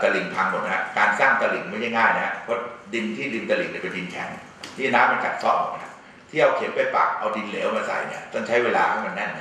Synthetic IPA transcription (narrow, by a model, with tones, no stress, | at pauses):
t̪a˧li˨˩ŋt̪ʰa˧ŋmo˨˩ɦa̰˦˥kaː˧nsaː˥˩ŋt̪a˧li˨˩ŋma˥˩jt͡ɕʰa˥˩jŋaː˥˩jna˦˥ha̰˦˧˥pʰɔ˦˥di˧nt̪ʰiː˥˩di˧nt̪a˧li˨˩ŋni˥˩pe˧ndi˧nkʰɛ˨˩˦ŋ | t̪ʰiː˥˩naː˦˥mːa˧nkʰa̰˨˩t̪̚sɔː˥˩mɔ̰˨˩˧a˦˥ | t̪ʰiː˥˩˨ʔa˧wkʰe˩˦npa˧jpa̰ː˨˩k̚ʔa˧wdi˧nleː˩˦wmaː˧sa̰˨˩jni˥˩ɐt̪ɔ˥˩ŋt͡ɕʰa˦˥jweː˧laː˧kʰa˥˩ma˧nːɛ˥˩n˦